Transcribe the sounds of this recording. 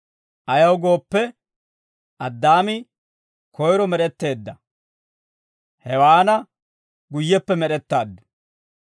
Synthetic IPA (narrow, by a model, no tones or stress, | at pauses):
ʔɐjɐwɡo̞ːpːɛ | ʔɐd̪ːaːmɪ | kʰɔjɾɔmɛɾɛt̪ːe̞ːd̪ːɐ | hɛwaːnɐ | ɡʊjːɛpːɛmɛɗɛt̪ːaːd̪ːʊ̥